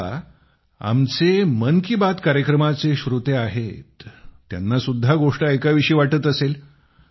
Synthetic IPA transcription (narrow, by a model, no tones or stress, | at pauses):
a̰mt͡semənkibat̪kaɾjəkɾəmat͡seɕɾut̪eaɦet̪ːja̰nːasud̪ʱːaɡoʂʈaekaʋiɕiːʋaʈət̪əsel